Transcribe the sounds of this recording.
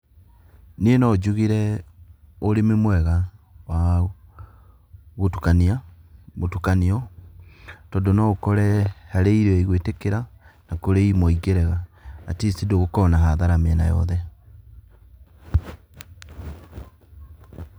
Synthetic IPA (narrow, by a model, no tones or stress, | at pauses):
nienɔd͡ʑuɣiɾɛ | oɾememwɛɣa | wa | ɣotukaniamotukaniɔ | tɔndonaɣokɔɾɛhaɾeiɾeɔeiɣwetekeɾanakoɾeimɔiɡeɾɛɣaatisidoɣokɔnaɦaðaɾameɛna̰jɔ̰ðɛ